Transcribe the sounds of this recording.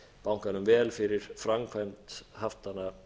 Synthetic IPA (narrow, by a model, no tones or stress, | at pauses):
pawŋ̥kanʏmvɛːlfɪɾɪɾ̥fɾamkʰvajmt̪haft̪anːa